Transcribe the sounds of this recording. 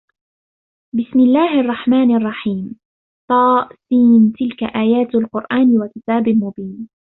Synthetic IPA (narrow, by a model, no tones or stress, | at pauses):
bɪsmɪlːaːhʔɑrˤːɑħmaːnʔɑrˤːɑħiːm | t̪ˤɑːʔsiːnt̪ɪlka̰ʔaːjaːt̪alqʊɾʔaːnwakɪt̪aːbɪlmʊbiːn